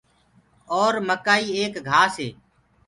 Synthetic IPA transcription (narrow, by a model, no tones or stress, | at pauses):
ɔːɾməkaːiːeːkɡʱaːseː